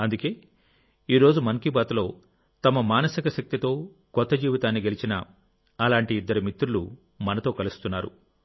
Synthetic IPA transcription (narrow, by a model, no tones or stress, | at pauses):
ɐnd̪uke̞ː | iːɾo̞ːd͡ʒumɐŋkibaːt̪lo̞ː | t̪ɐmɐmaːnɐsikɐʃɐk̚t̪it̪o̞ː | kɔt̪ːɐd͡ʒiːʋit̪aːnːiɡe̞lit͡ʃinɐ | ɐlaːɳʈiːd̪ːɐɾumit̪ɾulṵ | mɐnɐt̪oːkɐlust̪unːaːɾṵ